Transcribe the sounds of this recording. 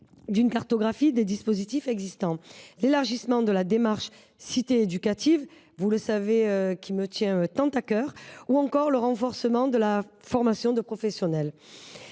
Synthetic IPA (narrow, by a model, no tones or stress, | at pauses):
d̪ynkaʁt̪ɔɡʁafid̪ed̪ispɔzit̪ifɛɡzist̪ɑ̃lelaʁʒismɑ̃d̪əlad̪emaʁʃ | sit̪eːd̪ykat̪iv | vuləsaveøkʲimət̪jɛ̃t̪ɑ̃t̪akœʁuɑ̃kɔʁləʁɑ̃fɔʁsəmɑ̃d̪əlafɔʁmasjɔ̃d̪əpχɔfɛsjɔnɛl